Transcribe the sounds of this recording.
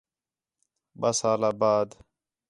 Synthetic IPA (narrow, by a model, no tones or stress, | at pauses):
ɓəsaːlaːbaːd̪